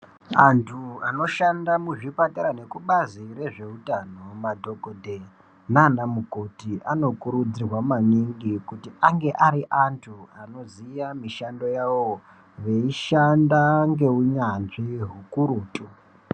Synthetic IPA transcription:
antʰuano̞ʃandamuʐipataɾane̞kuɓazire̞ʐe̞utano̞madʱo̞kodʱe | nanamuko̞tiʔano̞kuɾud͡zirwamaniŋɡikutiaŋɡe̞ʔaɾiʔantʰuano̞zijamiʃando̞jawo | ʋeiʃandaŋɡe̞uɲanʐiɦukuɾuːtʼu

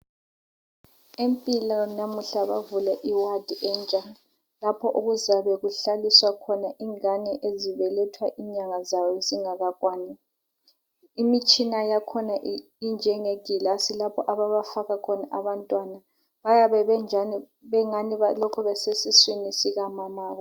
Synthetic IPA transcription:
empʼilɔnamuɬaβa̰vulɛʔiwad̥ʱiʔɛnt͡ʃʼa | lapʰɔʔuɣuzaβɛɣuɬaliswakʰɔnaʔiŋanɛʔeziβɛlɛtʰwaʔiɲaŋazawɔeziŋaɣakʼwaːnɛ | imit͡ʃʼinajakʰɔna | ind͡ʒʱɛŋeɡ̥ʱilasilapʰɔʔaβaβafaɣakʰɔnaʔaβantʼwana | βajaβɛβɛnʱani | βɛŋanialɔkʰuβɛsesiswinisiɣamamaːɣɔ

